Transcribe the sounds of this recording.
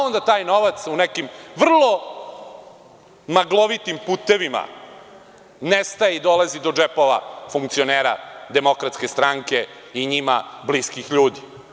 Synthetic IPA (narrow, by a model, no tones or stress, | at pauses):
ond̪at̪aːjnoʋat̪sunekimʋr̩lˠo̞ | maɡlˠoʋit̪impuːt̪e̞ʋima̰ | nest̪ajeid̪o̞lazid̪od͡ʒepoʋa̰fuŋkt̪sioneːɾa̰d̪e̞mo̞kɾat̪ske̞st̪ɾaŋke̞ | iɲima̰bliskixʎuːd̪i